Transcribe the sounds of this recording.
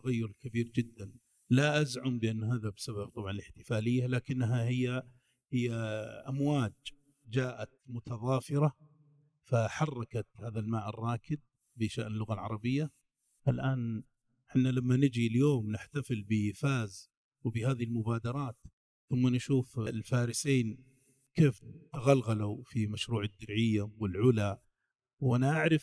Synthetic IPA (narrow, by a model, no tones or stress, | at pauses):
t̪aɣajːʊɾkabiːɾd͡ʒɪd̪ːan | laʔazʕʊmbɪʔanːɦaːðabsaβab̚t̪ˤɑbʕɑnɪlɪħt̪ɪ̥faːlɪjːalaːkɪnːɦahɪjːa | hɪjːaʔamwaːd͡ʒ | d͡ʒaːʔat̪mʊt̪ɑðˤɑːfɪɾɑ | faħɑrˤːɑkat̪haːðalmaːʔɪ̰rˤːɑːkɪd̪̚ | bɪʃaʔnɪlːʊɣalʕɑ̰ɾˤɑbɪjːa | ʔalʔaːn | ħɪnːalamːanɪd͡ʒiljoːmnɪħt̪afɪlbɪfaːz | wbɪhaːðilmʊbaːd̪ɑɾˤɑːt̪ | θʊmːanʃuːflfaːɾɪseːn | keːft̪aɣalɣalufimaʃɾuːʕɪd̪ːʊɾʕɪjːawɪlʕʊla | wʔanaʔaʕɾɪf